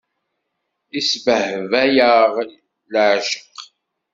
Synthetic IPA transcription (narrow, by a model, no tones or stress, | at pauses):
isbəhvæjəʁlː | əʕʃə̥q